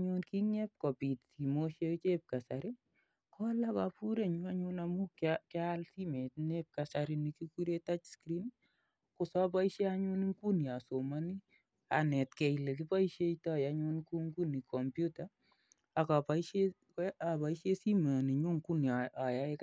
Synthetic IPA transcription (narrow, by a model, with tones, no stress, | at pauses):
ɲʊ˦nki˦ŋɛ˦p̚kɔ˨pi˨tsi˨mo˦ʃe˦t͡ʃep̚ka˨saɾi˦ | kɔ˦la˦ka˨pu˦ɾe˨ɲʊa˦ɲʊna˨mu˦kkalsi˦me˨tnep̚ka˨saɾini˨ki˦ku˦ɾe˦ta˦t͡ʃskɾi˦n | kʊ˨sɔ˦pa˦iʃe˦a˦ɲu˦niŋku˦ni˨a˨so˨ma˦ni˦ | a̰˨nɛ˨tkɛ˨ile˨k̬i˦pa˦iʃe˦ita˦ja˦ɲʊnku˦ŋku˦ni˨kʰɔ˨mpjuta | a˨ka˨paʃe | apa˨iʃe˦si˦ma˨ni˨ɲu˦ŋku˦nia˨ja˦e˦k